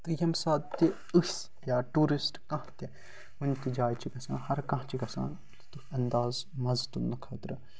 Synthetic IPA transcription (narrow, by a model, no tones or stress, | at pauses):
t̪ɨjɐmsaːd̪t̪i | ɨs | jaːʈuːɾisʈkɐ̃ɦt̪e | ɦunʲt̪id͡ʒaːjt͡ʃʰiɡɐsã̰ːhɐɾkɐ̃ːt͡ʃiɡɐsã̰ːn | t̪t̪uɐnd̪aːzmɐzt̪unɐkʰɐt̪ɾɨ